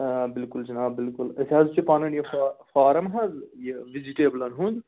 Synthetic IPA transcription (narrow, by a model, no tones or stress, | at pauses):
bɪlkult͡ʃinaːbɪlkulɐsʲaːzt͡ʃipaːnɐɳjɐfafaːɾɐmɦɐzjeʋid͡ʒiʈeːblɐnɦũnd̪